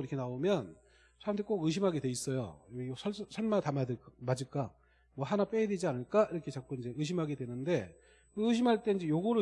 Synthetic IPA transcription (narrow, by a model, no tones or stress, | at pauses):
iɾʌkʰe̞naomjʌn | sʰaɾamtʰek͈oɡɯɕ̬ʰimɦaɡe̞dwe̞is͈ʌjo̰sʰʌsʰʌɭmatamadɯkmad͡ʑik͈a | mwʌhanap͈eedwe̞d͡ʑianɯɭk͈aiɾʌkʰe̞t͡ɕak͈uind͡ʑe̞ɯɕ̬ʰimɦaɡe̞dwe̞nɯnde̞ | kɯɯɕʰimɦaɭt͈e̞ind͡ʑe̞joɡoɾo